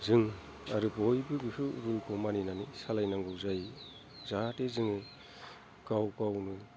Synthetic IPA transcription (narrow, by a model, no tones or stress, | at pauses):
zɯŋ | aɾɯbɔjbɯɡɯhʰɯɾulpɔmaninanisalajnaŋɡɯwzaj | zatezɯŋɯ | ɡawkawnuj